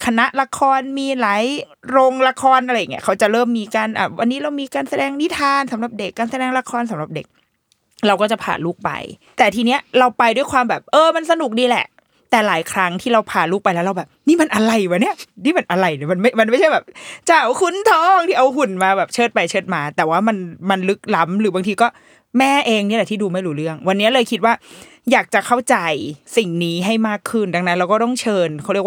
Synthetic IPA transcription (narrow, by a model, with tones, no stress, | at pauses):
kʰa˧na˦˥ʔla˧kʰɔː˧nmiː˧laː˨˦j | ɾo˧ŋla˧kʰɔː˧nʔɾa˧jːa˨˩ŋːi˦˥˩kʰa˦˥wt͡ɕa˨˩ʔɾɤː˥˩mːiː˧kaː˧nʔa̰ː˨˩wʔa˧nːiː˦˥ɾa˧wmiː˧kaː˧nsa˧dɛː˧ŋni˦˥t̪ʰaː˧nsa˨˩˦mɾa˨˩p̚de˨˩kːaː˧nsa˧dɛː˧ŋla˧kʰɔː˧nsa˨˦mɾa˨˩p̚de˨˩k̚ | ɾa˧wkɔː˥˩t͡ɕa˨˩pʰa̰ː˨˩nluː˥˩k̚pa̰˧jt̪ɛː˨˩t̪ʰiː˧ni˦˥ɐɾa˧wpa˧jdu˥˩jkʰwaː˧mbɛː˨˩p̚ʔɤː˧ma˧nsa˧nu˨˩k̚diː˧lɛ̰˨˩ʔ | t̪ɛː˨˩laː˩˦jkʰɾa˦˥ŋt̪ʰiː˥˩ɾa˧wpʰaː˨˩luː˥˩k̚pa˧jlɛ˦˥wɾa˧wbɛː˨˩p̚niː˥˩ma˧nʔa˧ɾa˧jwa˨˦ni˥˩ɐniː˥˩ma˧nʔa˧ɾa˧jlɯ˨˩ma˧nma˥˩jma˧nma˥˩jt͡ɕʰa˥˩jbɛː˨˩p̚t͡ɕa˨˩wkʰu˧˥nt̪ʰɔː˥˩ŋt̪ʰiː˥˩ʔa˧whu˨˩nmaː˧bɛː˨˩p̚t͡ɕʰɤː˥˩t̪̚pa˧jt͡ɕʰɤː˥˩t̪̚maː˧t̪ɛː˨˩waː˥˩ma˧nma˧nlɯ˦˥k̚la˦˥mɾɯː˩˦baː˧ŋt̪ʰiː˧kɔː˥˩ | mɛː˥˩ʔeː˧ŋni˦˥˩lɛ˨˩t̪ʰiː˥˩duː˧ma˥˩jɾuː˦ɾɯ˥˩əŋwa˧nːi˦˥ɐlɤː˧jkʰi˦˥t̪̚waː˥˩ | jaː˨˩k̚t͡ɕa˨˩kʰa˥˩wt͡ɕa˧jsi˨˩ŋniː˦˥ɦa˥˩jmaː˥˩kʰːɯ˥˩nda˧ŋna˦˥nɾa˧wkɔː˥˩t̪ɔ˥˩ŋt͡ɕʰɤː˧nkʰa˦˩ɾi˥˩ə˦˥